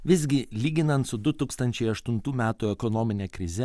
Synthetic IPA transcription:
ʋʲɪzʲɡʲɪlʲiːɡʲɪnɐnt̪sʊd̪ʊt̪uːkst̪ɐnʲt͡ʃʲɛɪɐʃt̪ʊnt̪uːmʲæːt̪uːɛkɔnoːmʲɪnʲeːkɾʲɪzʲɛ

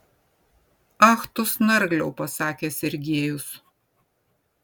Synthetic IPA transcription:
ɑːxt̪ʊsnɐɾɡlʲɛʊpɐsɑːkʲeːsʲɛɾʲɡʲeːjʊs

